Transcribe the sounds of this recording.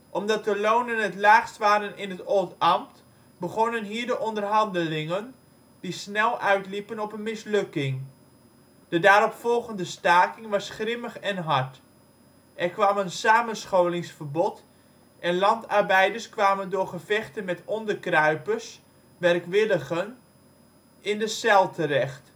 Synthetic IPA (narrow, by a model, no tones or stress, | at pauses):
ʔɔmdɑt̚dəlownənətlaːχstʋaːɾənɪnɦətoːtɑmt | bəχɔnənɦiːɹdəʔɔndərɦɑndəlɪŋən | d̥isnɛlˠʔœɥtlipənɔpənmɪslɵkɪŋ | d̥ədaːɾɔpfɔlˠɣəndəstaːkɪŋʋɑsχrɪməχɛnɦaɹt | ʔɛrkʋaːmənsaːmənsχowlɪŋsfərbɔt | ʔɛnlɑntɑrbɛjdərskʋaːməndʊːrχəvɛχtənmɛtɔndərkrœɥpəs | ʋɛrkʋɪləɣən | ɪndəsɛlˠtʰərɛxt